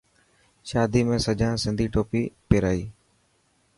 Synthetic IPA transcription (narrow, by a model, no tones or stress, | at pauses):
ʃaːd̪iːmẽːsəd͡ʒʱãːsɪnd̪ʱiːʈoːpiːpeːɾaːiː